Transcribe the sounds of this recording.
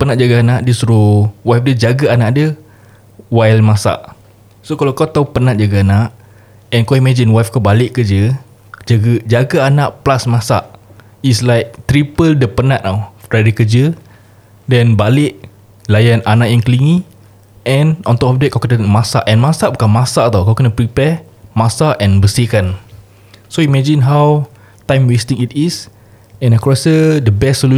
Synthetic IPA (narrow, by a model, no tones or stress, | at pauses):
pənat̪̚d͡ʒaɡaanãʔdəstɾuwafdəd͡ʒaɡaanaʔdə | wajlmãsa̰ʔ | sokalawkawt̪aupənãt̪̚d͡ʒaɡaanaʔ | ɛ̃nkawimãd͡ʒinwafkabalɪʔkəd͡ʒə | d͡ʒaɡəd͡ʒaɡaanãʔplasmãsa̰ʔ | islajk̚t̪ɾipəldəpənãʔ̪̚nawfɾajdəkəd͡ʒə | dɛ̃nbalɪʔ | lajananaʔjãŋkəliŋĩ | ɛ̃nɔ̃nt̪oɔp̚det̚kawkənəmasa̰ʔɛ̃nmasaʔbukamãsat̪awkawkənəpɾipɛ | masaʔɛ̃nbəsikan | soimɛd͡ʒĩnɦaw | tãjmwestĩŋitis | ɛ̃nəkɹɔsədəbɛssolu